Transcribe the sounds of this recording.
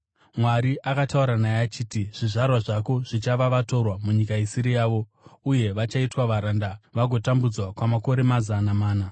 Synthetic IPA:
mwaɾiʔakatauɾanajeːt͡ʃiːtiʐ̥iʐarwaʐako̞ʐ̥it͡ʃaʋaʋato̞rwamuɲikaisiɾijaːʋo̞ | uje̞ʋat͡ʃaitwaʋaɾandaʋaɡʱo̞tambud͡zwakwamako̞ɾe̞mazanamaːna

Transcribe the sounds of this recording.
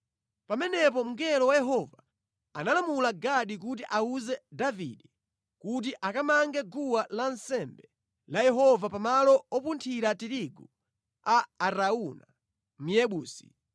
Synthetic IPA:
pamɛnɛpɔm̩ɡɛlɔwajɛɦɔva | analamulaɡaɗik̬utiʔauzɛdavḭɗɛ | kut̬iʔakamaŋɡɛɡuwalansɛmbɛ | lajɛɦɔvapamalɔɔpuntʰiɾatiɾiɡu | aːɾauna | m̩jɛɓuːsi̥

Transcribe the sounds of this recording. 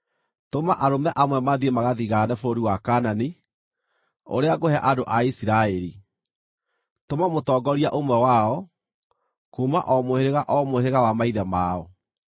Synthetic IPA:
tomaʔaɾomɛʔamwɛmaðiemaɣaðiɣanɛfoɾoɾiwakaːnani | o̰ɾeaɡohɛaʔadoʔaisiɾaɛɾi | tomamotɔːɡɔɾiaʔomwɛwaɔ | kuːmaʔɔmoheɾeɣaʔɔmoheɾeɣawamaiðɛmaːɔ

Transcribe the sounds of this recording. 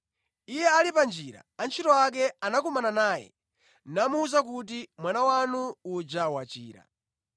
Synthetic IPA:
ijɛalipand͡ʒiɾa̰ant͡ʃʰitɔak̬ɛanakɔmananaːjɛ̰ | namuːzak̬ut̬imwanawanuːd͡ʒawat͡ʃḭːɾa̰

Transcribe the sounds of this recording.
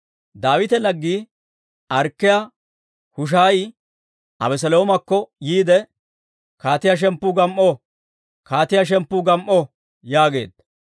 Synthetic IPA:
d̪aːwɪt̪ɛlɐɡːiː | ʔɐɾkːɪja | hʊʃ̬aːjɪ | ʔɐ̰bɛs̬ɛloːmɐkːɔjiːd̪ɛ | kaːt̪ɪjɐʃ̬ɛmpːuːɡɐmʔo | kaːt̪ɪjɐʃ̬ɛmpːuːɡɐmʔo | jaːɡe̞̰ːd̪ɐ

